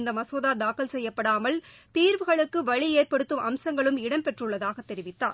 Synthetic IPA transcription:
nd̪ɐmɐsoːðaːd̪aːkɐlsɛjːɐpːɐɽaːmɐlt̪iːɾʋɯɣɐɭɯkːɯʋɐɭieːrpɐɽɯt̪ːɯmʔɐmsɐŋɡɐɭɯmɪɽɐmpɛʈrɯɭːɐðaːɣɐt̪ːɛɾɪʋɪt̪ːaːɾ

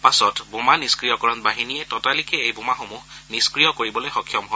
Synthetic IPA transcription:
pasɔtbumaniskɹijɔkɔɹɔnbaɦinijɛtɔtalikɛejbumaxomuɦniskɹijɔkoɹibɔlojxɔkʰjɔmɦɔ

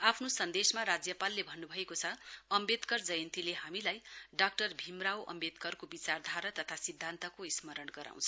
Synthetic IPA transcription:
apʰnosʌnd̪esmaɾad͡zjʌpalːebʱʌnːubʱʌekot͡sʰʌʌmbed̪kʌrd͡zʌjʌnt̪ileɦamilajɖak̚ʈʌrbʱimrawʔʌ̰mbed̪kʌrkobit͡sard̪ʱaɾʌt̪ʌt̪ʰasid̪ʱːant̪ʌkoismʌɾʌnɡʌɾa̰w̃t͡sʰʌ

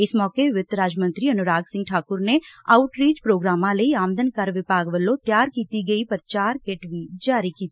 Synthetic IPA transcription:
ɪsmɔːkeɪʋɪt̪ɾaːd͡ʒmə̃nt̪ɾiɐnʊɾaːɡsɪ̃ŋɡʈʰaːkʊɾneaːʊʈɾiːd͡ʒpɾoːɡɾaːmãlɐiaːmd̪ʱənkɐɾʋɪbaːɡʋəlːõt̪jaːɾkiːt̪iɡɐipɐɾt͡ʃaːɾkeːʈʋid͡ʒaːɾikiːt̪i

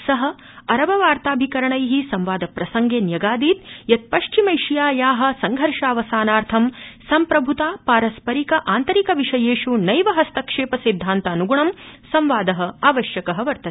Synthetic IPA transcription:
sɐɦɐ | ɐɾɐʋɐʋaːɾt̪aːbʱikɐɾɐɳɐjɦisɐmʋaːd̪ɐpɾɐsɐŋɡeːnjɐɡaːd̪iːt̪jɐt̪̚pɐʂt͡ʃimɐjʂijaːjaːɦɐ̆sɐŋɡʱɐɾʂaːʋɐsaːnaːɾt̪ʰɐmsɐmpɾɐbʱut̪aːpaːɾɐspɐɾikɐʔaːnt̪ɐɾikɐʋiʂɐjeːʂunɐjʋɐɦɐst̪ɐkʂeːpɐsid̪ʱːaːnt̪ɐːnuɡuɳɐmsɐmʋaːd̪ɐɦɐ̆aːʋɐʃjɐkɐɦɐ̆ʋɐɾt̪ɐt̪e̥

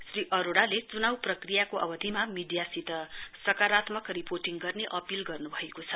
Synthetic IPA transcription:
sriʔʌɾoɽalet͡sunawprʌkrijakoʔʌ̰bʌd̪ʱimamiɖijasit̪ʌsʌkaɾat̪mʌkriporʈiŋɡʌrneʔʌpilɡʌrnubʱʌekot͡sʰʌ

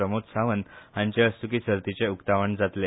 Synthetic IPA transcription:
əmot̪saʋənãɲt͡ɕeəsukiːsəɾt̪it͡seukt̪aʋəɳd͡zat̪le

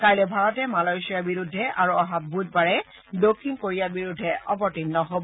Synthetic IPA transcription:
kajlɛbʱaɹɔtɛmalɔjsijaɹbiɹudʱːɛʔaɹuɔɦat̚bud̚paɹɛ | dokʰːinkoɹijabiɹudʱːɛʔɔpɔɹtinːɔɦob

